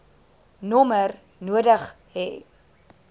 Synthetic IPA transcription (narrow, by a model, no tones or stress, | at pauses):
nɔmər | nuədəχ | ɦɛ̰